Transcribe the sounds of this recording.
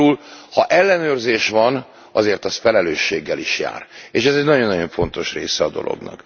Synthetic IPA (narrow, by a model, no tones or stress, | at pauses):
ulhɒʔɛlːɛnøːrzeːʃʋɒn | ɒzeːrt̪ɒst̪fɛlɛløːʃːeːɡːɛliʃja̰ːreːʃɛzɛɟnɒɟo̞nːɒɟo̞ɱfo̞n̪t̪o̞ʃrḛːsɛɒd̪o̞̰lo̞̰ɡnɒ̰k